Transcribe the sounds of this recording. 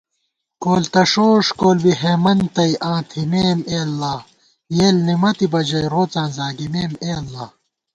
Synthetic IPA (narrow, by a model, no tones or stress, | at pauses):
koːlt̪ɐʂoːʂkoːlbiɦeːmɐnt̪ɐiʔãːt̪ʰimeːmeːlːaː | jeːlnimɐt̪ibɐd͡ʑɐjɾoːt͡sãːzaːɡimeːmeːlːaː